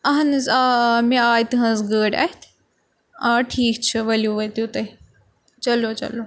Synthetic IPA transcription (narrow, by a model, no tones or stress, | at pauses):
ɐɦɐnzamẽaːjit̪ɨɦɐ̃nzɡəːɽɐ̰t̪ʰ | ãːʈʰiːkt͡ʃʰɨʋɐljuʋɐt̪ut̪ɐ | t͡ʃɐloːt͡ʃɐ̰lo